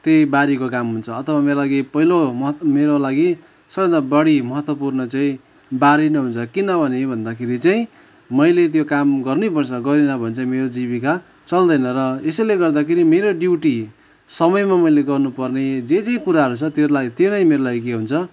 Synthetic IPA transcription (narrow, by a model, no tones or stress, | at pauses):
t̪ebaɾikokamɦunt͡sʰʌʌt̪ʰʌβameɾolaɡipʌɦilomʌmeɾolaɡi | sʌɡʌ̃nd̪abʌɽimʌɦʌt̪wʌpurnʌt͡saĩ | baɾinʌɦunt͡sʰʌkinʌbʱʌnebʱʌnd̪akʰeɾit͡saĩ | mʌjlet̪̬jokamɡʌrnipʌrt͡sʰʌɡʌɾenʌbʱʌnt͡saimeɾod͡ziβika | t͡sʌld̪ʌjnʌɾʌesjleɡʌrd̪akʰeɾimeɾoɖjiwʈi | sʌmʌjmamʌjleɡʌrnupʌrned͡zet͡saĩkuɾaɦʌɾut͡sʰʌt̪jeɾulaɡit̪enʌjmeɾolaɡikeɦunt͡sʰʌ